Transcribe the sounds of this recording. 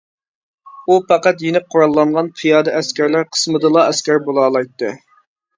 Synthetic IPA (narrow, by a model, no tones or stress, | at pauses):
upɑqɑt̪jenɪp̚qʰoɾɑlˠːɑnʁɑnpʰɨjɑːd̪ɨʔɛskʲæɾlæɾqʰə̥smɨd̪ɨlˠɑɛskʲæɾbolˠɑːlˠɑjt̪ːɨ̰